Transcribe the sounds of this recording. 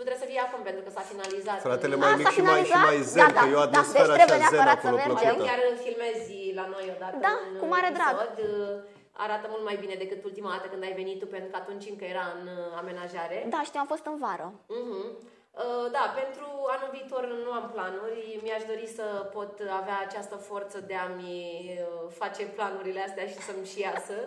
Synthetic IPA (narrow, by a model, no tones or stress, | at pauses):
ut̪ɾesəfijeakumpe̞nt̪ɾukəsafinalizat̪ɾat̪eleaaisainallizat̪ajdeaajead̪d̪asd̪et͡ʃɾɾebeeaeəɾat̪ssəme̞ɾd͡ʒemjʲaɾɨnfilme̞zʲ | lano̞jo̞d̪at̪dəaɨnkumaɾed̪ɾaɡod̪ | a̰ɾat̪əmult̪majbine̞d̪e̞kɨt̪ult̪imad̪at̪əkɨnd̪ajve̞nit̪ːupent̪ɾukəat̪unt͡ʃɨŋkəje̞ɾaɨname̞naʒaɾe̞d̪aʃt̪iwamfo̞st̪ɨnvaɾə | ɦm̩ | əd̪ape̞nt̪ɾuanulviːt̪o̞rnuamplanurʲmiaʃd̪o̞ɾisəpo̞t̪aveaːt͡ʃast̪əfo̞rt̪səd̪e̞am | fat͡ʃe̞planuɾile̞ast̪eaʃi̥səmʃijasə